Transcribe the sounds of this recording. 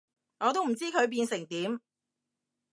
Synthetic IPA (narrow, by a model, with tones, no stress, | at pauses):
ŋɔː˨˧t̪̬o˥wm̩˨˩t͡siː˥kʰɵ˨˧ɥp̬iː˧nsɪ˨˩ŋt̪iː˨˥m